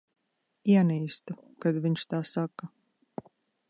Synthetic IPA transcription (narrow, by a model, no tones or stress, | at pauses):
iɛniːst̪ukad̪viɲʃt̪aːsaka